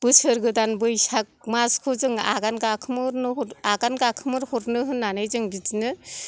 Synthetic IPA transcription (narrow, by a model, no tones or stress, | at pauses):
b̥ɯsɯɾɡɯdanbɯjsak̚maskʰɔzɯŋa̰ɡanɡakʰɯmɯɾnɯɦɔaɡanɡakʰɯmɯɾhɔɾnɯɦɯnːanɯjzɯŋbitinɯ